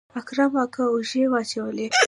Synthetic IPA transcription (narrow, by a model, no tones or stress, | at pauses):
akɾamakaʊʒewɑt͡ʃawəle